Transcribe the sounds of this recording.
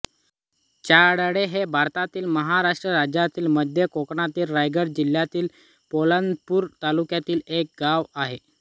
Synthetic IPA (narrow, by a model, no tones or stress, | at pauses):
t͡ɕaɽəɽeɦebʱaɾt̪at̪iːlməɦaɾaʂʈɾəɾad͡ʑat̪iːlməd̪ʱjəkokɳat̪iːlɾajɡəɾd͡ʑil̤ːjat̪iːl | poland̪puːɾt̪alukjat̪iːlek̚ɡaʋaɦe